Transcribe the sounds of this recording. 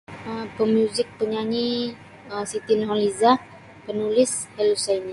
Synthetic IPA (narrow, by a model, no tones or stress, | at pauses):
əpəmjuzɪk̚pəɲaɲi | əsit̪ɪnɦɔliza | pənulɪshɛlusaini